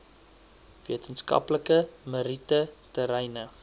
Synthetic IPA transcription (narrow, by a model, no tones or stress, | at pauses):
viətənskɐ̰pləkəməɾitətəɾɛjnə